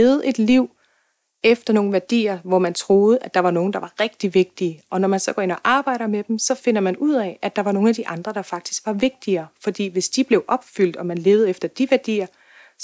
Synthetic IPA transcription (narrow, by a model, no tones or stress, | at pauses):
ð̩ˠʔe̝d̥liʊ̰ | efd̥ɐno̝ːn̩ʋæɐd̥ḭːɐʋɒmænt͡sʰʁo̝ːð̞̩ˠəʔæ̥ɑ̈ʋɑ̈no̝ːn̩d̥ɑ̈ʋɑ̈ʁɛɡ̥̚d̥iʋe̝ɡ̥̚d̥iəʔɒ̽nɒmænsɒ̽ɡ̥ɒ̰e̝nɒ̽ʔɑ̈ːb̥ɑ̈ɪ̰ɾ̥ɐmed̥em̩sɒ̽fe̝nɐmænuð̰ˠɛ̰æ̥ɑ̈ʋɑ̈no̝ːnæd̥iʔɑ̈nd̥ʁɐd̥ɑ̈fɑ̈ɡ̥̚d̥i̥sɡ̥ʋɑ̈ʋe̝ɡ̥̚d̥iɐːfɒ̽d̥ḭːʋe̝sd̥ib̥le̝ʊʔɒ̽b̥fyl̰d̥ɒ̽mænle̝ːʊð̩ˠefd̥ɐd̥iʋæɐd̥ḭːɐ